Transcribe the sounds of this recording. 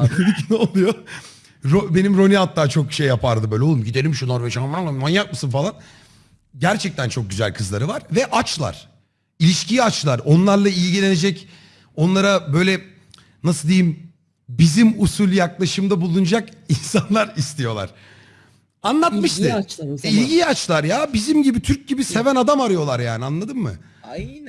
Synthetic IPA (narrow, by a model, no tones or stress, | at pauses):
d̪icʰinolˠujo | ɾobe̞nimɾo̞niat̪ːaːt͡ʃʰo̞kʃejːapʰaɾd̪ɯbøjlʲolˠumɟid̪elʲimʃunoɾveʃamanˠamanjap̪̚mɯsɯnfalˠan | ɟæɾt͡ʃʰɛc̚t̪ʰænt͡ʃʰo̞k̚ɟyzæ̰lʲkʰɯzlˠaɾɯvaɾ̥vɛʔat͡ʃlˠa̰ɾ̥ | ilʲiʃciat͡ʃlˠaɾo̞nlˠaɾlˠailʲɟilʲe̞ned͡ʒɛc | o̞nlˠaɾabø̞jlʲɛ | nasɯld̪ejim | bizimusulʲjaklˠaʃɯmd̪abulˠund͡ʒakinsanlˠaɾist̪ʰijo̞lˠa̰ɾ̥ | anlˠat̪̚mɯʃt̪ɯt͡ʃilʲɟiat͡ʃlˠaɾjabizimɟibit̪ʰyɾc̚ɟibise̞vænad̪amaɾɯjo̞lˠaɾjaːnianlˠad̪ɯmːɯ̰